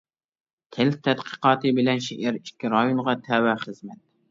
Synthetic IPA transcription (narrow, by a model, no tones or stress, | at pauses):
t̪ʲʰɪlt̪ʰɛt̪qʰə̥qɑːt̪ɨbɪlɛnʃeʔæɾikʲʰːiɾɑjonʁɑt̪ʰæwɛχəzmɛt̪̚